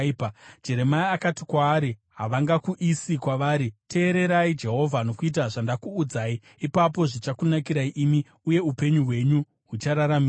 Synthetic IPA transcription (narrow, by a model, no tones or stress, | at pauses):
pad͡ʒe̞ɾe̞maiakatikwaːɾiɦaʋaŋɡakuʔisikwaʋaːɾite̞ːɾe̞ɾaid͡ʒe̞ɦo̞vʱano̞kuit̬aʐandakuːd͡zai | ipap̬o̞ʐit͡ʃakunakiɾaiʔimi | uje̞upe̞ɲuɦwe̞ɲu | ɦut͡ʃaɾaɾami